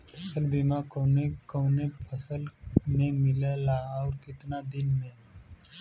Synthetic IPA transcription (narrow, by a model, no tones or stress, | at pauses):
pʰəsəlbimakoːnekənepʰəsəlmẽmɪləlaɔːɾkɪt̪nad̪ɪnmẽ